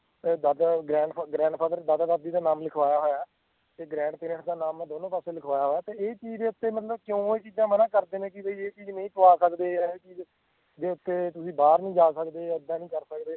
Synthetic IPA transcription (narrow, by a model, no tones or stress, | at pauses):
d̪ad̪aɡɾɛ̃ːɳɖpʰːɡɾɛ̃ːɳɖpʰaːd̪əɾd̪aːd̪aːd̪ad̪iːd̪aːnaːmlɪkʰʋaːjaːɦoːjaː | t̪eːɡɾɛ̃ːɳɖpɪːnəʈd̪aːnaːmːd̪oːnõːpaːseːlɪkʰʋaːjaːɦoːjaːt̪eːeːt͡ʃiːd͡ʒd̪eːʊt̪ːeːmət̪ləbkjõːeːt͡ʃiːd͡ʒãːmənãːkəɾd̪eːnẽːkɪbiːeːt͡ʃiːd͡ʒnə̃ĩːt̪ʊʋaːsəkd̪eːaːeːt͡ʃiːd͡ʒ | d̪eːʊt̪ːeːt̪ʊsĩːbaːɾnĩːd͡ʒaːsəkd̪eːəd̪ːãːnĩːkəɾsəkd̪eː